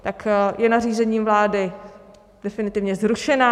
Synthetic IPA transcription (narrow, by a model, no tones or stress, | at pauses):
t̪akjɛnariːzɛɲiːmvlaːdɪ | d̥ɛfɪnɪt̪ɪvɲɛzɾuʃɛna